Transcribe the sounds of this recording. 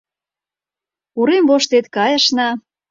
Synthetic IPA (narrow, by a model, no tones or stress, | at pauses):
uɾemvoʃt̪et̪kɑjə̆ʃnɑ